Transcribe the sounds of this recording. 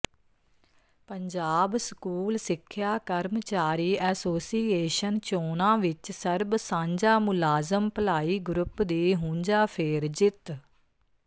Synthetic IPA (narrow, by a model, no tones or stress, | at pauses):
pəɲd͡ʒaːbskuːlsɪkʰːjaːkəɾmt͡ʃaːɾiːʔɛːsoːsiːeːʃənt͡ʃoːnãːʋɪt͡ʃsəɾbsãːɲd͡ʒaːmʊlaːzəmpəlaːiːɡɾʊpd̪eːɦʊ̃ːɲd͡ʒaːpʰeːɾd͡ʒɪt̪